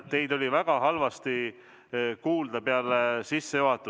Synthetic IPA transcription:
t̪e̞jd̪̥o̞lʲivæɡ̥ɑɦɑlvɑst̪i | kuːld̪ɑpeɑlesisːejoɦɑt̪ːˑu

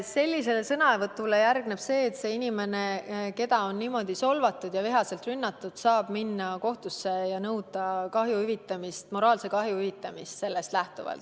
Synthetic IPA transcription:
se̞lʲːise̞lesɤnɑevɤt̪ːˑule̞jærɡ̥neb̥se̞ːt̪se̞ːinime̞ne̞ke̞d̪ɑo̞nːiːmo̞d̪̥iso̞lvɑt̪ːˑud̪̥jɑviɦɑse̞lt̪rynːɑt̪ːˑud̪̥sɑːb̥minːɑko̞ht̪usːe̞jɑnɤwd̪̥ɑkɑɦjuhyvit̪ːˑɑmist̪mo̞ɾɑːlse̞kɑɦjuhyvit̪ːˑɑmist̪se̞lːe̞st̪læht̪uvɑ̰lt̪

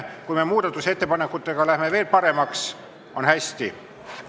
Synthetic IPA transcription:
kujme̞muːd̪̥ɑt̪ːˑuse̞t̪ːe̞pɑne̞kːˑut̪ːˑeɡ̥ɑlæhme̞ve̞ːlpɑɾe̞mɑks | o̞nhæsʲt̪i

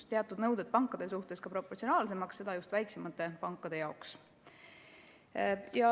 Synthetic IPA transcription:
t̪eɑt̪ːˑud̪̥nɤwd̪̥ed̪̥̚pɑŋkːˑɑd̪̥esuht̪e̞skɑpɾo̞pːort̪sio̞nɑːlse̞mɑksːe̞d̪̥ɑjust̪væjksemɑt̪ːˑe̞pɑŋkːˑɑd̪̥e̞jɑoks | jɑ

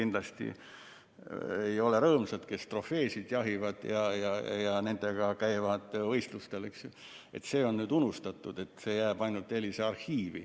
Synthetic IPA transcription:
ind̥̪lɑst̪ḭ | ejo̞le̞ɾɤːmsɑd̪̥ke̞st̪ro̞feːsid̪̥jɑɦivɑd̪̥jɑjɑjɑne̞nd̪̥e̞ɡ̥ɑkæjvɑd̪̥vɤ̞jst̪lust̪e̞lyksju | e̞̰t̪se̞ːo̞nːyːd̪unust̪ɑt̪ːˑud̪̥e̞t̪ːˑse̞ːjæːb̥ɑjnult̪ːˑelʲːiseɑrhiːvḭ

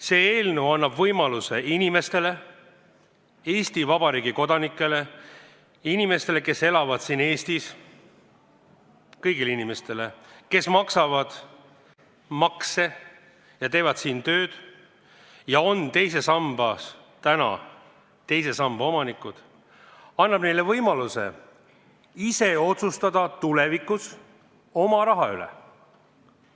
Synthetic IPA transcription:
se̞ːeːlnuɑnːɑbvɤjmɑluse̞inʲime̞st̪e̞le̞ | eːst̪ivɑb̥ɑɾiːɡiko̞d̪ɑnikːˑe̞le̞ | inʲime̞st̪e̞le̞ke̞se̞lɑvɑd̪̥siːne̞ːst̪is | kɤjɡileinʲime̞st̪e̞le̞ke̞smɑksɑvɑd̪̥ | mɑkse̞ | jɑt̪e̞ːvɑd̪̥siːnt̪ø̞ːd̪̥ | jɑo̞nt̪e̞js̬e̞sɑmb̥ɑs | t̪ænɑ̰ | t̪e̞jse̞sɑmb̥ɑo̞mɑnikːˑud̪̥ | ɑnːɑb̥ne̞jle̞vɤjmɑluse̞̰ | ise̞o̞t̪sust̪ɑd̪ɑt̪ulevikːus | o̞mɑɾɑɦɑylɛ̰

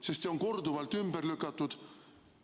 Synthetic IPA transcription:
sest̪seoŋkord̪uvɑlt̪ymb̥erlykːˑɑt̪ːud̪̥

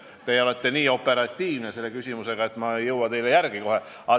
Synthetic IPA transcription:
t̪ejo̞le̞t̪ːe̞niːo̞pːˑe̞ɾɑt̪ʲːiːvnese̞lːekysʲimuse̞ɡ̥ɑe̞t̪ːˑmɑejɤwɑt̪e̞jlejærɡ̥iko̞ɦe̞ | ɑ

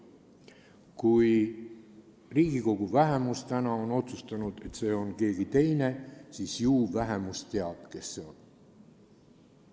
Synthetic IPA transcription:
kuj | riːɡ̥iko̞ɡ̥uvæɦe̞must̪ænɑo̞no̞t̪sust̪ɑnud̪̥e̞t̪ːse̞ːo̞nke̞ːɡ̥it̪e̞jne̞siːsjuːvæɦe̞must̪e̞ɑb̥̚ke̞sːe̞o̞n

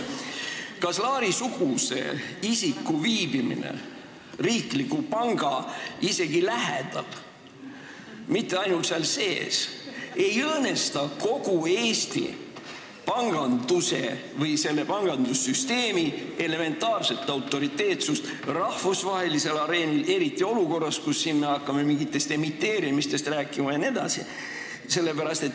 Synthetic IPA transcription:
kɑslɑːɾisuɡ̥use̞̰isikːuviːbimḭnḛ | riːklikːupɑŋɡ̥ɑise̞ɡ̥ilæɦḛd̪̥ɑ̰l | mit̪ːˑeɑjnult̪selse̞ːse̞jɤːne̞st̪ɑko̞ɡ̥ue̞ːst̪ḭ | pɑŋɡ̥ɑnd̪̥use̞̰ | vɤjse̞lːe̞pɑŋɡ̥ɑnd̪usːyst̪e̞ːmie̞le̞me̞nt̪ːˑɑːrse̞t̪ːˑɑwt̪ːˑo̞ɾit̪ːe̞ːt̪sust̪ | rɑhvusvɑhelise̞lɑɾe̞ːnile̞ɾit̪ːˑio̞luko̞rːɑskusːinmeɑkːɑme̞miŋɡit̪ːˑe̞st̪e̞mit̪ːe̞ːɾimist̪e̞st̪ræːkˑːimɑjɑne̞d̪̥ɑ̰sḭ | se̞lːe̞pæɾɑst̪e̞t̪

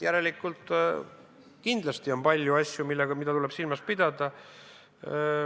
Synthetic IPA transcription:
jæɾe̞likːˑult̪ˑ | kind̪lɑst̪io̞npɑlʲjuɑsʲjumilːeɡ̥ɑmid̪ɑt̪ule̞b̥silmɑspid̪̥ɑd̪̥ɑ

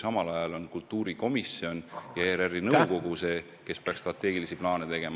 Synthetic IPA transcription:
sɑmɑlɑjɑlo̞nkult̪ːˑuːɾiko̞misio̞njɑeɾerːinɤwko̞ɡ̥use̞ː | ke̞speɑkst̪rɑt̪ːˑe̞ːɡ̥ilisiplɑːnet̪e̞ɡ̥e̞m

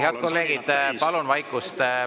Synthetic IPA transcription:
eɑd̪̥̚ko̞lːe̞ːɡ̥id̪̥pɑlonvɑjkːˑust̪

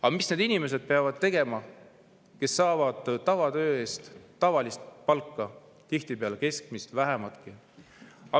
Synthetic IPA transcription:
ɑmisne̞d̪inime̞s̬e̞d̪̥̚peɑvɑd̪̥t̪e̞ɡe̞mɑ | ke̞sːɑːvɑd̪̥t̪ːɑvɑt̪ø̞ːe̞ːst̪t̪ːɑvɑlist̪̚pɑlkˑːɑ | t̪iht̪ipeɑleke̞sk̚mist̪væɦemɑlt̪̚ki | ɑ

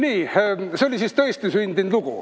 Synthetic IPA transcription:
niːseolʲisist̪ɤest̪isynʲd̪inluɡ̥ṵ

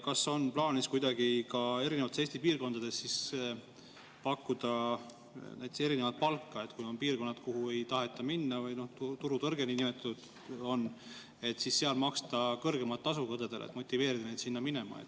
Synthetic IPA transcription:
kɑso̞nplɑːniskujd̪ɑɡ̥ikɑe̞ɾinevɑt̪ːesest̪ipiːrko̞nd̪̥ɑd̪e̞sːis | pɑkːud̪̥ɑ | nʔæjt̪ːˑese̞ɾine̞vɑt̪̚pɑlkːɑe̞t̪kujo̞mpiːrko̞nːɑt̪kuhue̞jt̪ɑɦe̞t̪ːˑɑminːɑvɤjno̞ht̪ut̪uɾut̪ɤrɡ̥e̞ninimet̪ːˑɑt̪ud̪̥ | o̞nː | e̞t̪ːˑsisːe̞ɑlmɑkst̪ɑkɤrɡe̞mɑlt̪ːˑɑsukod̪ed̪elḛt̪mo̞t̪ʲːˑive̞ːɾid̪ɑne̞jd̪sinːɑmine̞mɑ̰ḛt̪ː

